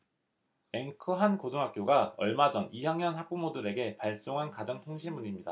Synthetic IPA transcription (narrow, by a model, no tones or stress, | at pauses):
e̞ŋkʰɯɦankotʰoŋɦak͈joɡaʌɭmad͡ʑʌnijjaŋɲʌnɦak̚p͈umodɯɾe̞ɡe̞paɭs͈oŋɦankad͡ʑʌŋtʰoŋɕʰimmuɲimɲida